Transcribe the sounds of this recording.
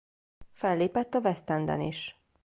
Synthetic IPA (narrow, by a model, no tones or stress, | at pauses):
fɛlːeːpɛt̪ːɒvɛst̪ɛnd̪ɛ̰niʃ